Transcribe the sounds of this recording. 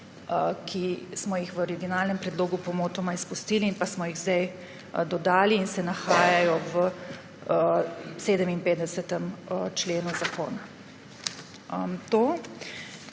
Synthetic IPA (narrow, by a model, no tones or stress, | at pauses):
kʰismɔjixʋəɔɾiɡjɔnaːlnɛmpɾɛd̪loːɡupɔmoːt̪ɔmaispust̪iːliːnpasmɔjiɣzd̪ɛj | d̪ɔd̪aːliːnsɛnaxaːjajɔʋə | seːd̪əminpeːt̪d̪ɛsɛt̪əmt͡ʃleːnuzako̰ːna | t̪oː